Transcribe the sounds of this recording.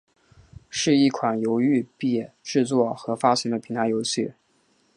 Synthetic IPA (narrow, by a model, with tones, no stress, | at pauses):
ʂɻ̩˥˧i˥˩kʰwa˨˩njo˧˥ʊy˥˧pjɛ˥˩˧ | ʈ͡ʂɻ̩˥˧t͡swɔ˥˩xɤ˧˥fa˥ɕwɛ˧˥nd̪ə˨pʰi˧˥ŋt̪ʰa˧˥ɪjo˧˥ʊɕʰy˥˩